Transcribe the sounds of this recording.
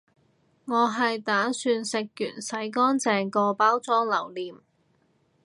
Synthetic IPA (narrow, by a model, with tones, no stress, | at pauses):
ŋɔː˨˧ɦɐ˨jt̪aː˨˥syː˧nsɪ˨k̚ːy̰ː˨˩nsɐ˨˥jkɔː˥nt͡sɛː˨˧ŋkɔː˧paː˥wt͡sɔː˥ŋlɐ˨˩wliː˨˩m